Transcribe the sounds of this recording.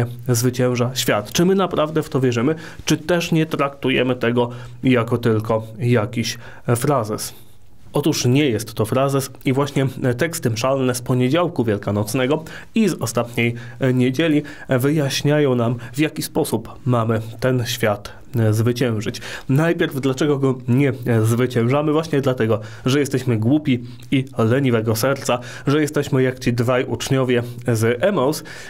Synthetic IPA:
ɛzvɘt͡ɕɛ̃w̃ʐaɕfʲjat̪t͡ʂɘmɘnapɾavd̪ɛft̪ɔvʲjɛʐɘmɘ | t͡ʂɘt̪ɛʂɲɛt̪ɾakt̪ujɛ̰mɘt̪ɛɡɔ | jakɔt̪ɘlkɔjakʲiɕ | fɾazɛs | ʔɔt̪uʂɲɛjɛst̪ːɔfɾazɛs | ivwaɕɲɛt̪ɛkst̪ɘmʂalnɛspɔɲed͡ʑawkuvʲjɛlkanɔt̪snɛɡɔ | izɔst̪at̪ɲej | ɲed͡ʑelʲi | vɘjaɕɲajɔ̃w̃namvʲjakʲispɔsup | mamɘt̪ɛnɕfʲjat̪ | zvɘt͡ɕɛ̃w̃ʐɘt͡ɕnajpʲjɛɾvd̪lat͡ʂɛɡɔɡɔɲɛzvɘt͡ɕɛ̃w̃ʐamɘvwaɕɲɛd̪lat̪ɛɡɔ | ʐɛjɛst̪ɛɕmɘɡwupʲi | ilɛɲivɛɡɔsɛɾt̪sa | ʐɛjɛst̪ɛɕmɘjakt͡ɕid̪vajʔut͡ʂɲɔvʲjɛzʔɛmɔs

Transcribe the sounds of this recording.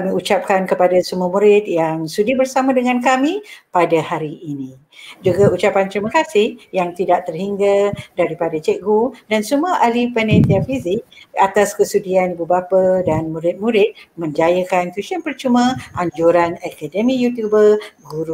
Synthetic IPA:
kamĩut͡ʃap̚kankəpadasəmuəmũɾɪt̪̚jaŋsudibərsamãdəŋãnkamĩpadahaɾiːnĩ | d͡ʒuɡaut͡ʃapant̪ɾimakasɪhjaŋt̪idaʔ̚t̪ərhiŋɡədaɾipadat͡ʃɛʔɡudansəmuəʔalipɛnɛ̃t̪iafizɪk̚at̪askəsudianibubapədanmũɾɪt̪̚mũɾɪt̪̚mə̃ɲd͡ʒajəkankusianpərt͡ʃumãʔaɲd͡ʒuɾanakadəmĩjut̪jubərɡuɾu

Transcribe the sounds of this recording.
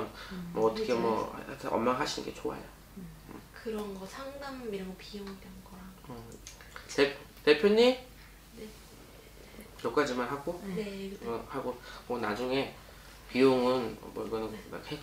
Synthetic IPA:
nmʌːtʰʌkʰemwʌ̰atʰeʔʌ̰mmːaŋɦaɕʰinɯ̰nŋɡe̞t͡ɕoa̰jo | kɯɾʌnɡʌsʰaŋdamiɾaɡopijoŋdwenɡʌɾa | ʌ | teptepʰjoɲi | ne | jok͈ad͡ʑimanɦaɡoneʌhaɡomʌnad͡ʑuŋe̞ | pijoŋɯnmʌiɡʌnɯnma̰khe

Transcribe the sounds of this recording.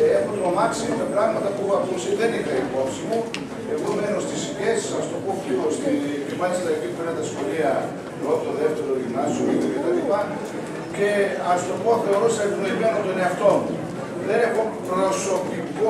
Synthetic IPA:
exot̪omɐksiomepɾɐɣmɐt̪ɐpuɣoɐkusiðenixɐipo̞psimu | eɣomenost̪ispesɐst̪opoeost̪ipivɐist̪ɐipipeɾɐt̪ɐsxoliɐ | pɾot̪oðeft̪eɾolimɐsoet̪oet̪ɐlipɐ | ce̞ɐst̪o̞poθe̞o̞ɾost̪ɐvnoimenot̪one̞ɐft̪o̞mu | ðenexopɾonɐsokiko

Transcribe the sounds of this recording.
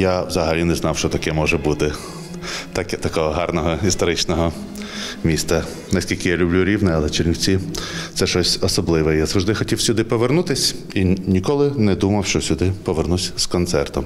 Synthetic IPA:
jawzɐɦɐlʲinɛznɑwʃt͡ʃɔt̪ɐkɛmɔʒɛbut̪ɪ | t̪ɑkɛt̪ɐkɔɦɔɦɑrnɔɦɔist̪ɔɾɪt͡ʃnɔɦɔ | mʲist̪ɐ | nɐsʲkʲilʲkɪjalʲʊblʲuɾʲiwnɛɐlˠɛt͡ʃerʲnʲiwt͡sʲit̪sɛʃɔsʲɔsɔblˠɪʋɛjazɐʋʒd̪ɪxɔtʲiwsʲʊd̪ɪpɔʋernut̪ɪsʲ | inʲikɔlˠɪnɛd̪umɐwʃt͡ʃɔsʲʊd̪ɪpɔʋernusʲskɔnt̪sɛrt̪ɔm

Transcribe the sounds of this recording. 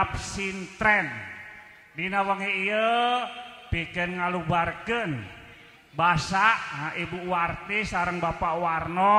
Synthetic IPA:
p̚sint̪ɾɛn | dinawəŋiiə | pikənŋalubarkən | basaʔɦaʔibuwart̪isaɾəŋbapaʔwarnɔ

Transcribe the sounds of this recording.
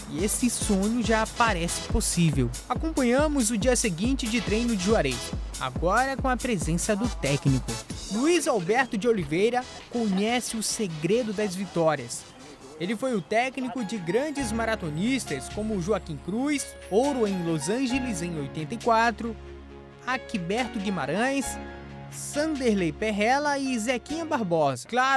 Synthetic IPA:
iesɪsõɲʊʒapaɾɛsɪ̥posivḛw | akõmpɐ̃ɲɐ̃mʊzʊd͡ʒiɐseɡĩnt͡ʃɪd͡ʒɪt̪ɾẽjnʊd͡ʒɪʒuaɾeja̰ɡɔɾɐkõɐpɾezẽsɐd̪ʊt̪ɛknikʊluizawbɛɾt̪ʊd͡ʒɪolivejɾɐ | kõɲɛsɪʊseɡɾed̪ʊd̪ɐzvit̪ɔɾiɐs | elɪfojʊt̪ɛknikʊd͡ʒɪɡɾɐ̃d͡ʒɪzmaɾat̪onist̪ɐskõmʊʒuakĩkɾujs | owɾʊẽj̃lozɐ̃ʒelɪzẽj̃ojt̪ẽnt̪ɐikwat̪ɾʊ | akibɛɾt̪ʊɡimaɾɐ̃j̃sː | ɐ̃d̪eɾlejpeɦɛlɐɪzekĩɐ̃baɾbɔzkla

